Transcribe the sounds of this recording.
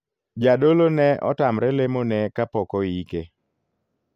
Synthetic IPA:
d͡ʒadolonɛʔɔ̰tamɾɛlemonɛkapɔkɔike

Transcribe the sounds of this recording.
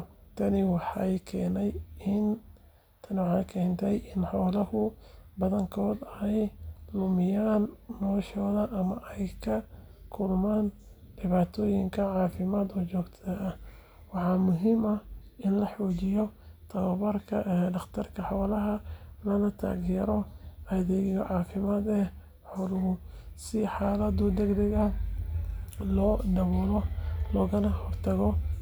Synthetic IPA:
t̪ʰɐnɪwɑħɑ̰jkʰɛːnɛjɪn | t̪ʰɐnɪwɑħɑjkʰɛːnt̪ʰɛjɪnħɔːlɐhʊbɐðɐŋkʰɔːd̪ɛjlʊmɪjaːnːɔːʃɔːðɐʔɐmɐʔɛjkʰɐ | kʰʊlmaːn | ɖ̥ɪβaːt̪ʰɔːjɪŋkʰɐʕɑːfɪmaːd̪ɔːt͡ʃɔːɡt̪ʰɐɐ | wɑħɑːmʊɦɪmɐɪnlɐħuːt͡ʃɪjɔt̪ʰɐwɐβɐrkʰɐʔɖɑχt̪ʰɐrkʰɐħɑwlɐɦɐmɐlɐt̪ʰa̰ːɣjɛɾɔɐðɛɣɔʕɑːfɪmaːd̪ɛ | ħɔwlʊhʊsɪħɑːlɐd̪ʊd̪ɛɡd̪ɛɣɐ | lɔːɖɐβɔːlɔlɔːɣɐnɐhɔrt̪ʰɐɣɔ

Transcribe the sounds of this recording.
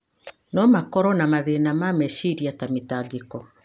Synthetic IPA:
nɔmakɔɾɔnamaðenamamɛʃiɾiatamitalikɔ

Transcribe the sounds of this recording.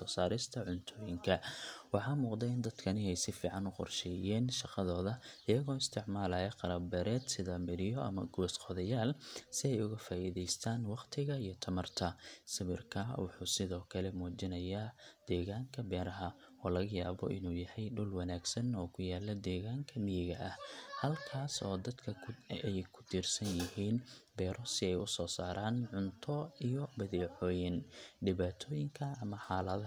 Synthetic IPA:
sɔːsaːɾɪst̪ʰɐʕʊnt̪ʰɔːjɪŋkʰɐwɑħɑːmuːqd̪ɛɪnd̪ɐd̪kʰɐnɪɛjsɪfiːʕɑnʊqɔ̰rʃɛːjɛːnʃɑqɑðɔːðɐɪjɐɣɔːɪst̪ʰɪʕmaːlɐːjɛqɑɾɐbɛːɾɛːd̪sɪðɐmɪɾɪjɔʔɐ̰mɐ̰ɡɔːsqɔðɐjaːlsɪɛjʊɣɐfaːʔiðɛjst̪ʰaːnwɑqt̪ʰɪɣɐijɞt̪ʰɐmɐrt̪ʰɐsɪβɪrkʰɐwɑ̰ħuːsɪðɔːkʰɐlɛmuːt͡ʃɪnɐjaːd̪̥ɛːɣaːŋkʰɐbɛːɾɐɦɐ | ɔːlɐɣɐjaːβɔ̰ʔɪnuːjɐhɛjɖʊlwɑnaːɡsɐnɔːkʰʊjaːlːɐd̪ɛːɣaːŋkʰɐmɪjɪɣɐʔɐhhɐlkʰaːsɔ̰ːd̪ɐd̪kʰɐɛjkʰʊ̥t̪ʰiːrsɐnjɪhiːnbɛːɾɔsɪɛjʊsɔːsaːɾʔaːnʕʊnt̪ʰɔijɔbɐðɛːʕɔːjɪnɖɪβaːt̪ʰɔːjɪŋkʰɐɐmɐħaːlɐð

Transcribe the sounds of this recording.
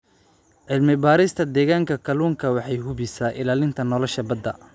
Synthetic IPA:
ʕɪlmɪbaːɾɪst̪ʰɐd̪ɛːɣaːŋkʰɐkʰɐluːŋkʰɐwɑħɑjɦʊβɪsaːʔɪlaːlɪnt̪ʰɐnɔlɔʃɐbɐd̪ːɐ

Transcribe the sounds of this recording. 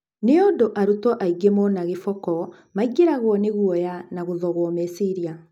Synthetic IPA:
neodoʔaɾutɔʔaiɡemɔnaɣefɔkɔ | maiɡeɾaɣwɔneɣwɔjanaɣoðɔɣwɔmesiɾia

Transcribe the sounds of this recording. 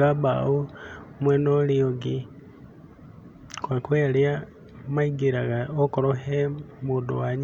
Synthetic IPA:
aba̰umwenolioɡi | kwakwelja | maiɡiɾaɣaokoɾohemudṵwaɲ

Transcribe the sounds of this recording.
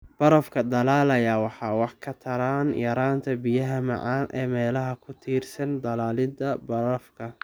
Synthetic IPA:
b̥ɐɾɐfkʰɐd̪ɐlaːlɐjɐwɑħɑːwɑħkʰɐt̪ʰɐɾaːnjɐɾaːnt̪ʰɐbɪjɐɦɐmɑ̰ʕɑːnʔɛ̰ːmɛːlɐɦɐkʰʊt̪ʰiːrsɐnd̪ɐlaːlɪd̪ɐbɐɾɐfkʰɐ

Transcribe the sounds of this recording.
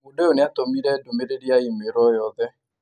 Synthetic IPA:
udeoneatomiɾɛdomeɾeɾiaimeɾɔjɔðɛ

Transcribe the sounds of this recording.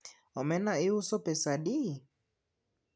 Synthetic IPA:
ɔmɛnaiusɔpɛsaɗi

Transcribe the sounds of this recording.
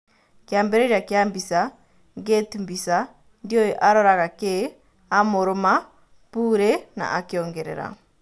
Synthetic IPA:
kjaːmbeɾeɾjakjaːmbisa | ŋɡetumbisa | ndjojɔʔaɾoɾaɣake | amuɾuma | puːɾena̰ʔakjoːŋɡeɾḛɾa̰

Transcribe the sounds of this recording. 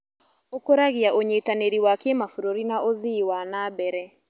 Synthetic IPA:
okoɾaɣiaʔoɲetaneɾiwakemafuɾoɾinaʔoðiwanabɛɾɛ

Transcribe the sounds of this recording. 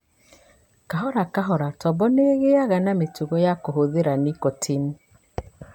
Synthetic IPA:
kaɦɔɾakaɦɔɾatɔbɔneɣeaɣanametuɣɔjakoɦoðeɾanikotʰini

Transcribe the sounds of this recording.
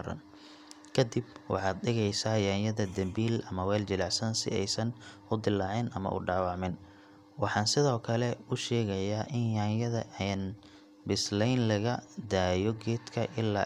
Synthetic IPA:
ɾɐ̰n | kʰɐd̪ibwɑ̰ħɑːd̪̚ɖɪɣɛjsaːjaːnjɐðɐd̪ɐmbiːlɐmɐwɛːld͡ʒɪlɑʕsɐnsɪ̰ɛ̰jsɐnʊd̪ɪlːɑːʕɪnʔɐ̰mɐ̰ʔʊ̰ɖɑːwɑʕmɪn | wɑħɑːnsɪðɔːkʰɐlɛʊʃɛːɣɐjaːʔɪnjaːnjɐðɐ̰ʔɛːn | bɪslɛjnlɐɣɐd̪aːjɔɡɛːd̪kʰɐʔɪlːa̰ː

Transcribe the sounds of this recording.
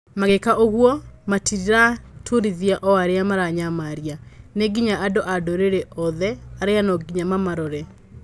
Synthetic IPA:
maɣekaʔoɣwɔmatiɾiɾatʰuɾiðiaʔɔaɾeamaɾaɲamaɾianeɡiɲaʔadoʔadoɾeɾɛʔɔðɛaɾeanɔɡiɲamamaɾɔɾɛ

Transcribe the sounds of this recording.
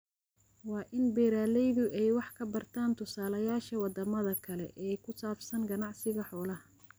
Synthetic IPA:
wɑːʔɪnbɛːɾaːlɛjðʊʔɛjwɑħkʰɐbɐrt̪ʰaːnt̪ʰʊsaːlɐjaːʃɐwɑd̪ɐmɐðɐkʰɐlɛ̰ʔɛːkʰʊsaːfsɐnɡɐnɑʕsɪɣɐħɔːlɐh

